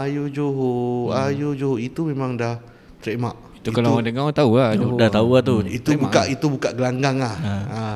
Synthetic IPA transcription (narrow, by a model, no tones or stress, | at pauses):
ajud͡ʒoɦoajud͡ʒoɦuʔit̪umemãŋdah | t̪ɾɛmaʔ | it̪ukalauadəŋat̪auadaht̪auat̪uit̪ubukaʔit̪ubukaʔɡəlaŋɡaŋahaa